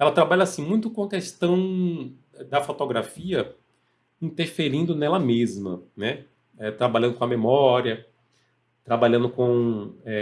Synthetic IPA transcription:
ɛlɐt̪ɾabaʎɐasĩmũj̃t̪ʊkõɐkest̪ɐ̃w̃ | ɛd̪ɐfot̪oɡɾafiɐ | ĩnt̪eɾfeɾĩnd̪ʊnɛlɐmezmɐnɛ | ɛt̪ɾabaʎɐ̃nd̪ʊkõɐmemɔɾiɐ | t̪ɾabaʎɐ̃nd̪ʊkõɛ

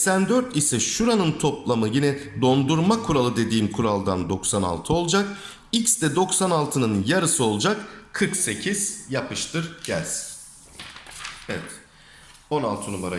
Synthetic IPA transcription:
sænd̪øɾt̪isɛʃuɾanɯnt̪ʰo̞plˠamɯjinɛd̪o̞nd̪uɾmakʰuɾalˠɯd̪e̞d̪iːmkʰuɾalˠd̪and̪o̞ksana̰lˠt̪ʰɯo̞lˠd͡ʒak | icsd̪ɛd̪o̞ksanalˠt̪ʰɯnɯnjaɾɯsɯo̞lˠud͡ʒakkʰɯɾkse̞cʰiz̥japʰɯʃt̪ʰɯɾɟ̥æ̰lʲz̥ | evɛt̪ | o̞nalˠt̪ʰɯnumaɾa

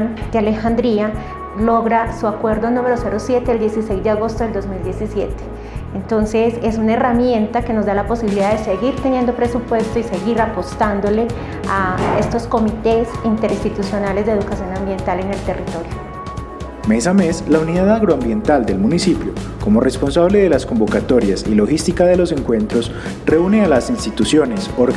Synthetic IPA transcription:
nkeale̞xand̪ɾia | lo̞ɣɾasuakwe̞ɾd̪onũmeɾose̞ɾo̞sje̞t̪eeld̪je̞sise̞jzd̪eaɣo̞st̪oe̞ld̪ozmild̪je̞sisje̞̰t̪e̥ | ent̪o̞nse̞se̞sunae̞ramje̞nt̪ake̞no̞zd̪alapo̞siβiliðaðese̞ɣiɾt̪e̞njend̪o̞pɾe̞supwe̞st̪oise̞ɣiɾapo̞st̪and̪ole̞ | ae̞st̪o̞sko̞mit̪esint̪e̞ɾinst̪it̪usjo̞nale̞zd̪eðukasjo̞nambje̞nt̪ale̞ne̞lt̪e̞rit̪o̞ɾjo | mes̬ame̞slauniðaðaɣɾoambje̞nt̪ald̪e̞lmunisipjo | ko̞mo̞respo̞nsaβleðe̞lasko̞mbo̞kat̪o̞ɾjasilo̞xist̪ikaðe̞lo̞se̞ŋkwe̞nt̪ɾo̞s | re̞unealasinst̪it̪usjo̞nesoɾ

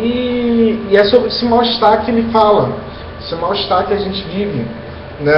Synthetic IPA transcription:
iː | ɛsoesɪmawɪʃt̪akɪelɪfalɐ | esɪmawɪʃt̪akɪɐʒẽnt͡ʃɪvivɪ | nɛ

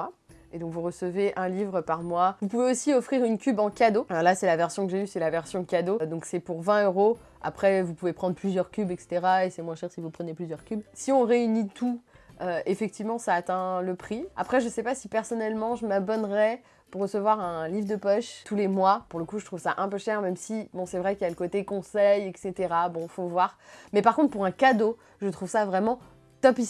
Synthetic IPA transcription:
a | ed̪ɔ̃kvuʁəsəveʔɛ̃livʁəpaʁmwavupuveosiɔfχiʁynkʲybɑ̃kʲad̪oalasɛlavɛʁsjɔ̃kəʒeysɛlavɛʁsjɔ̃kʲad̪od̪ɔ̃ksɛpuʁvɛ̃øʁo | a̰pχɛvupuvepχɑ̃d̪ʁplyzjœʁkʲybɛkse̥t̪eʁaesɛmwɛ̃ʃɛʁsivupχəneplyzjœʁkʲybsiɔ̃ʁeynit̪ʰu | øefɛk̚t̪ivmɑ̃saːt̪ɛ̃ləpχia̰pχɛʒəsɛpasipɛʁsɔnɛlmɑ̃ʒəmabɔnʁɛ | puʁːəsəvwaʁɛ̃livʁd̪əpɔʃt̪ʰulemwapuʁləkuʒət̪χuvsaʔɛ̃pøʃɛʁmɛmsibɔ̃sɛvʁɛkiljaləkot̪ekɔ̃sɛjɛkset̪eʁabɔ̃fovwaʁmɛpaʁkɔ̃t̪χpuʁɛ̃kad̪o | ʒət̪χuvsavʁɛmɑ̃ | t̪ɔpi

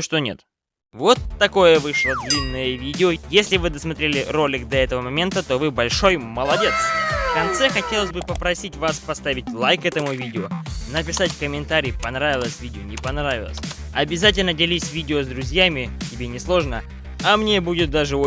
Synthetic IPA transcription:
ʂt̪onʲe̞̰t̪ | vo̞t̪ːɐko̞jəvɨʂlˠəd̪lʲinːəjəvʲidʲɪojesʲlʲɪvɨd̪əsmɐt̪ɾʲelʲɪro̞lʲːɪkd̪ɐɛt̪əvəmɐmʲe̞nt̪ət̪o̞vɨbɐlʲʂo̞jməlˠɐdʲe̞t̪sfkɐnt̪sɛxɐtʲe̞lˠəsʲbɨpəpɾɐsʲitʲvaspɐst̪avʲɪt̚ʲlˠajkɛt̪əmʊvʲidʲɪonəpʲɪsatʲkəmʲɪnt̪aɾʲijpɐnɾavʲɪlˠəsʲvʲidʲɪonʲɪpɐnɾavʲɪ̰lˠə̰sʲ | ɐbʲɪzat̬ʲɪlʲnədʲɪlʲisʲvʲidʲɪozd̪ɾʊzʲjamʲɪtʲɪbʲenʲɪslˠo̞ʐnə | ɐmnʲebudʲɪt̪̚d̪aʐɨo

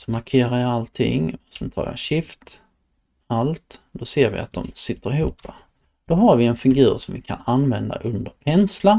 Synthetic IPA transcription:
sɔmaɾkʰeːɾajalt̪ʰɪ̰ŋɔsɛnt̪ʰɑ̰ːja̰ɕɪft̪ | alt̪d̪ɔseːɾvɪ̰a̰t̪̚d̪ɔmsɪt̪ːəɾɪhuːpːa | d̪̥ɔɦaɾvɪɛnfɪŋɡʉ̟ːɾsɔmvɪkʰa̰nanːvɛnd̪a̰ʔɵnd̪əɾpʰɛnsla

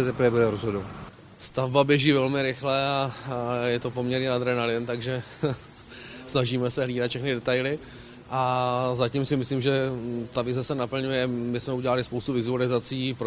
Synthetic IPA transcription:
ɛt̪ɛpɾvɛbudɛɾozɦodovat̪ | st̪avbabjɛʒiːvɛlmɪɾɪxlɛajɛt̪o̞po̞mɲɛɾɲɛnad̪ɾɛnalɪnt̪aɡʒɛ | snaʒiːmɛsɛɦliːdat̪fʃɛxnɪdɛt̪ajlɪ | ʔazacimsɪmɪsliːmʒɛt̪avɪzɛsɛnapl̩ɲujɛmɪsmɛuɟɛlalɪspowst̪uvɪzualɪzat͡siːpɾo

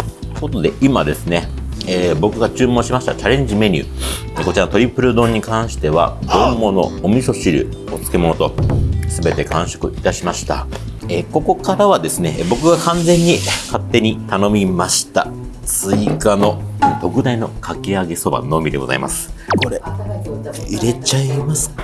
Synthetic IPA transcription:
ko̞t̪o̞d̪e̞ʔimad̪e̞sɨne̞eːbo̞kɯ̟ɡat͡ɕɨːmõɕimaɕi̥t̪at͡ɕaɾẽ̞ɲ̟d͡ʑime̞ɲ̟ʲɨ̰ː | eko̞t͡ɕiɾanot̪oɾʲipːɯ̟ɾɯ̟d̪õ̞ɲ̟ːikãɰ̃ɕi̥t̪e̞βa̰d̪õ̞mːo̞no̞̰ːmʲiso̞ɕiɾɯ̟̰ | o̞t͡sɨ̥ke̞mo̞no̞t̪o̞sɨbe̞t̪e̞kãɰ̃ɕo̥kɯ̟it̪aɕimaɕi̥t̪a̰ | eːko̞ko̞kaɾaβ̞ad̪e̞sɨne̞bo̞kɯ̟ɡakãnd͡zẽ̞ɲ̟ːikat̪ːe̞ɲ̟it̪ano̞mʲimaɕi̥t̪at͡sɨikano̞t̪o̞kɯ̟d̪aino̞kʰakeaɡe̞so̞ba̰no̞ːmʲid̪e̞ɡo̞za̰ḭma̰sɨ̥ko̞ɾe̞ | iɾe̞t͡ɕaimasɨ̥

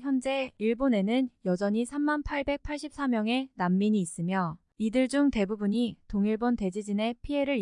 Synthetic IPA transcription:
çjʌnd͡ʑe̞iɭbone̞nɯnjʌd͡ʑʌɲisʰamːanpʰaɭbe̞k̚pʰaɭɕ͈ʰip̚s͈amjʌŋe̞namːiɲiːs͈ɯmjʌ | idɯɭd͡ʑuŋte̞bubuɲitoŋiɭbonte̞d͡ʑid͡ʑine̞pʰie̞ɾɯɭ

